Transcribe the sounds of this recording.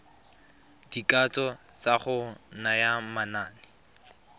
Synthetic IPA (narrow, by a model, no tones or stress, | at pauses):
d̥ikat͡sɔt͡saχʊnajamanaːnɪ